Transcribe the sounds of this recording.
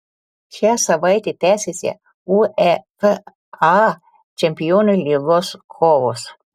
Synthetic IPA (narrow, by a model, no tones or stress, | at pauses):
ʃʲæsɐʋɐɪt̪ʲet̪ʲæːsʲesʲɛ̰ | uɛp | ɑ | t͡ʃʲɛmʲpʲɪjoːnʲolʲiːɡoskʰɔːʋos